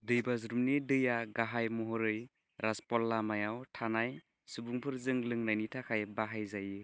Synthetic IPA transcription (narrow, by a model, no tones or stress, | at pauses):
dɯjbazɾumnidɯjaɡaɦajmɔɦɔɾɯj | ɾaspɔlːamajawtʰanaj | subuŋpʰɯɾzɯŋlɯŋnajnitʰakʰajbaɦajzajɯ